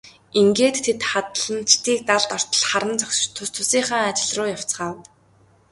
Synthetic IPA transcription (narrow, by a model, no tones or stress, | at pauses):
iŋɡeːt̪ʰːet̪χat̪ɮə̆nt͡ɕt̪iːk̚t̪aɮt̪ɔr̥t̪ə̆ɮχaɾə̆nt͡sɔks̆t͡ɕt̪ʰʊst̪ʰʊsiːŋχaːŋat͡ɕɪ̆ɮrʊːjaw̥t͡sχaːw